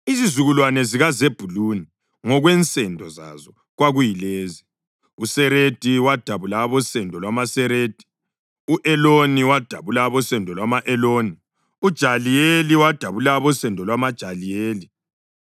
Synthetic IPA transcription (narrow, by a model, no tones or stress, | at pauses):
izizuɣulwanɛziɣazeb̥ʱuluni | ŋɔɣwɛnt͡sʼɛndʱɔza̰zɔ | ɣwaɣujileːzi | usɛɾed̥ʱiwad̥ʱaβulaβɔsɛndʱɔlwamasɛɾeːd̥ʱi̥ | uʔɛloniwad̥ʱaβulaβɔsɛndʱɔlwamaʔɛloːni | ud̥ʒ̥ʱalijeliwad̥ʱaβulaβɔsɛndʱɔlwamad̥ʒ̥ʱalijeːli